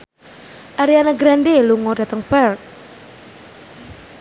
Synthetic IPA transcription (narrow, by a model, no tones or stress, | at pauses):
ʔaɾianaɡɾandeluŋɔd̥a̤t̪əŋpɛrk̚